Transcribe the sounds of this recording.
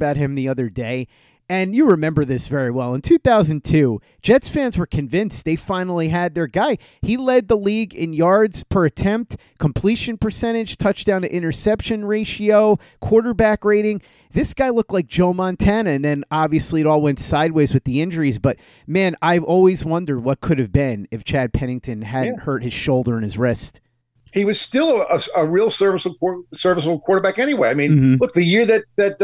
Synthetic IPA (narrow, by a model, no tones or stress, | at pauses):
baʊt̚hɨ̃mðiʌðə˞deɪ | ɨ̃njɨɹɨmɛ̃mbə˞ðɪsvɛɹiwɛlˠə̃ntʰʉθaʊzn̩tʰʉd̥ʒ̥ɛdsfæ̃nzwə˞kʰɨ̃ɱvɪ̃ns̚ðeɪfãɪ̃nl̩ˠiɨd̪̚ðə˞ɡaɪ | ilɛd̪̚ðəliɡɪ̰̃njɑɹdz̥pʰə˞ɨtʰɛ̃mp̚t | kʰm̩pʰl̥iʃɨ̃npʰə˞sɛ̃ɾ̃ɨd̥ʒ̥tʰʌt͡ʃd̥ãʊ̃nɨʔɪ̃ɾ̃ə˞sɛpʃɨ̃nɹeɪʃioʊ | kʰw̥ɔɹɾə˞bækɹeɪɾɪ̃ŋ | ðɪsɡ̥aɪlʊk̚tˡlaɪk̚d̥ʒ̥oʊmɑ̃ntʰænɨɨ̃nðɨ̃nɑbviɨsliɨɾɔlˠwɛ̃ntsaɪd̚weɪzwɨðiɪ̃nd͡ʒə˞izbʌt̚ | mæ̃naɪɔlˠwizwʌ̃ndə˞d̚wʌt̚kʰʊɾɨvbɪ̃nɨft͡ʃʰæd̚pʰɛñɪ̃ŋtʰɨ̃nædⁿnthɜ˞t̚hɨz̥ʃoʊlˠdə˞ɨ̃nɨzɹɪst̚ | hiwʌz̥stɪlˠəəəɹilˠsɜ˞vəs̩ˠk̚ʰɔsɜ˞vəs̬l̩ˠkʰw̥ɔɹɾə˞bækɛñiweɪaɪmĩn̩lʊk̚ðɨjɪɹðɨt̚ðɨt̚